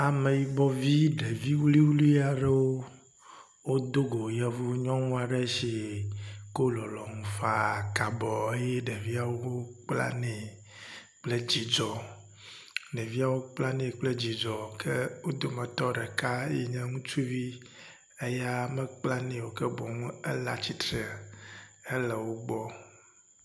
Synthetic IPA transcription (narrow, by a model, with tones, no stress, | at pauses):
a˨me˨ji˨bɔ˦vi˦ɖe˨vi˦wli˦wlu˦i˦a˨ɖe˦wo˦ | wo˦d̪o˦ɡo˨jɛ˨vu˦ɲɔ̃˦ŋũ˦a˨ɖe˦ʃi˨ | ko˦lɔ˨lɔ˨ŋũ˨fa˦˨ka˨bɔ˨e˦je˦ɖe˨vi˦a˨wo˦wo˦k͡pla̰˦nɛ˨ | k͡ple˦d͡ʑi˨d͡ʒɔ˨ | nɛ˨vi˦a˦wo˦k͡pla˦nɛ̃˨k͡plɛ˦d͡ʑi˨d͡ʒɔ˨kʰɛ˦wo˦d̪o˨mɛ̃˨t̪ɔ˦ɖɛ˨ka˦ji˨ɲɛ̃˦ŋũ˦t͡ʃu˦vi˦ | e˦ja˦mɛ˦k͡pla˦nɛ̃˨wo˨kɛ˦bɔ˨ŋũ˦ɛ̰˦la̰˦t͡ɕi˦t̪ɾe˨e˦lɛ˨wo˦ɡ͡bɔ˦